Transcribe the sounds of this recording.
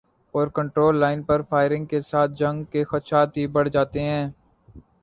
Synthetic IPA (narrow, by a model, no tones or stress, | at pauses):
ɔːɾkə̃ɳʈɾoːlːaːɪnpɐɾfaːɪɾɪ̃ŋɡ̚kesaːt̪̚ʰd͡ʒɐ̃ŋɡkexɐt̪ʃaːt̪̚bʱibɐɽ̤d͡ʒaːt̪eɦɛ̃ː